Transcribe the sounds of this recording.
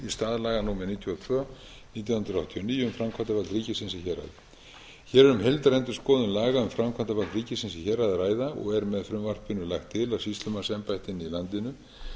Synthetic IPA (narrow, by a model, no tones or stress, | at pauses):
ist̪aːðlaːɣanuːmɛɾniːt̪ʰjɔt̪ʰvœ | niːt̪̬jawhʏnt̪ɾawht̪ʰiɔniːjʏmfɾamkʰant̪apalt̪ɾiːcɪsɪnsɪçɛɾa̰ð | çɛːɾɛɾʏmɦejlt̪aɾɛnt̪ʏɾ̥skɔːðʏnlaːɣaʏmfɾamkʰant̪apalt̪ɾiːcɪsɪnsɪçɛɾaðɾaːjðaɔ̰ɣɛɾmɛðfɾʏmvar̥pɪnːʏlaxt̪ʰːɪlawsist̪lʏmansɛmpajht̪ɪnːɪilant̪ɪnʏ